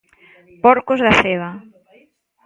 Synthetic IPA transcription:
pɔɾkozðaθeβa

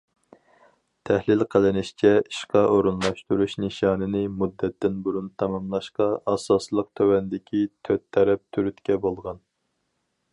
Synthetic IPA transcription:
t̪ʰɛhlɪlqʰəlˠɨnɪʃt͡ʃʰɛiʃqɑʔoɾunlˠɑʃt̪uɾuʃnɨʃɑːnɨnɪmud̪ːɛt̪ːɪnbuɾunt̪ʰɑmɑmlˠɑʃqɑɑsɑslˠəq̚t̪ʰøwɛnd̪ɪkʲʰit̪ʰøt̪ʰːɛɾɛp̚t̪ʰyɾyt̪kʲɛbolˠʁɑn

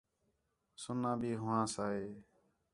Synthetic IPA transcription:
sʊnːãːbʱiːɦʊʋãːsaːɦeː

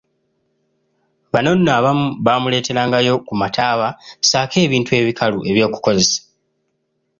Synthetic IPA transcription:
βano̞nːaːβamuβaːmule̞ːte̞ɾaːŋɡajo̞kumatʰaːβasaːke̞ːβiːntue̞ːβikʰaluʔe̞βjo̞ːku̥ko̞ze̞sḁ

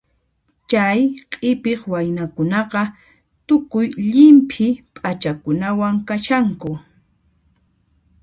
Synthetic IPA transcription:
t͡ʃajqʼɪpɪχwajnakʊnɑqɑ | t̪ʊkʊjʎɪmpʰɪpʼat͡ʃakʊnawaŋkaʃaŋkʊ

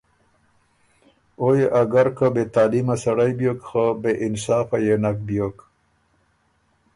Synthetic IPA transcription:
ojeʔaɡaɾkabet̪ɑːlimasaɽajbjokxabeʔɪnsɑːfajenak̚bjok

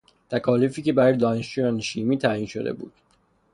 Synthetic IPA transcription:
t̪ʰækʰɒːlifiːcebæɾɒjed̪ɒːneʃt͡ʃujɒneʃiːmiːt̪ʰæːjiːnʃo̰d̪e̞̰bṵːd̪̥

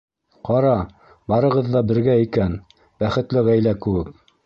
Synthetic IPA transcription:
qɑɾɑ | bɑɾɤ̆ʁɤðːɑbɘ̆ɾɡæikæn | bæχɘ̆t̪lɘʁæjlækɘ̆wɘk̚

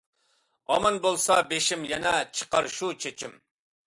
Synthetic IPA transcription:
ɑmɑnbolˠsɑbeʃimjɛnɛt͡ʃʰə̥qɑɾʃut͡ʃʰet͡ʃʰim

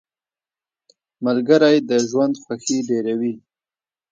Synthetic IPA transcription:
malɡəɾajd̪əʒwand̪xwaxiɖeɾawi

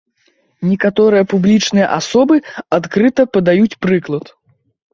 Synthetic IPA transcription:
nʲɛkat̪ɔɾɨjɐpublʲit͡ʂnɨjɐ̰ʔasɔbɨat̪kɾɨt̪ɐpɐd̪ajut͡sʲpɾɨklˠɐt̪

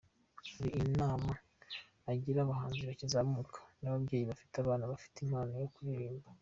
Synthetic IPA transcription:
aɾiːnaːmaː | ɟiɾaβaɦaːnziβacizamukʰḁnaβabɡe̞ːjiβafi̥taβaːnaβafi̥timaːnajo̞kuɾeːmba

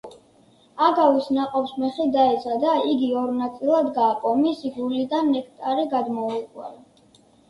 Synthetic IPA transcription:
aɡavisnaqʼɔpsmɛχid̪aɛt̪sʰad̪aiɡiɔɾnat̪sʼilˠad̪ɡaːqʼɔmisiɡulid̪anɛkʰt̪ʼaɾiɡad̪mɔiqʼwɛ̰li

